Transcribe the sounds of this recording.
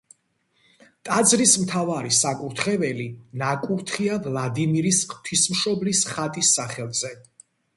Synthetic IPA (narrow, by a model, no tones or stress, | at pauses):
t̪ʼad̪zɾismt̪ʰavaɾisakʼuɾt̪ʰχɛvɛlinakʼuɾt̪ʰχiavlˠad̪imiɾist̪ʰwismʃɔblisχat̪ʼisːaχɛlˠzɛ